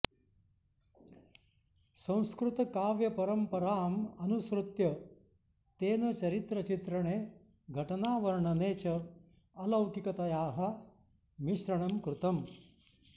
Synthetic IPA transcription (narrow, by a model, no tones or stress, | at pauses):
sɐ̃w̃skɾut̪ɐkaːʋjɐpɐɾɐmpɐɾaːmɐnusɾut̪jɐ | t̪eːnɐt͡ʃɐɾit̪ɾɐt͡ʃit̪ɾɐɳeː | ɡʱɐʈɐnaːʋɐɾɐɳɐneːt͡ʃɐ | ɐlɐwkikɐt̪ɐjaːɦɐ | miʃɾɐɳɐmkɾut̪ɐm